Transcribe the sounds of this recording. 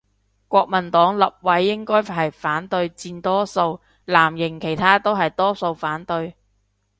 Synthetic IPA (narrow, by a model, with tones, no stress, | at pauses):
kʷɔː˧k̚mɐ˨˩nt̪ɔː˨˥ŋlɐ˨p̚wɐ˨˥jːɪ˥ŋkɔː˥jɦɐ˨jfaː˨˥nt̪ɵ˧ɥt͡siː˧nt̪ɔː˥so˧w | laː˨˩mjɪ˨˩ŋkʰe˨˩jt̪ʰaː˥t̪o˥wɦɐ˨jt̪ɔː˥so˧wfaː˨˥nt̪ɵ˧ɥ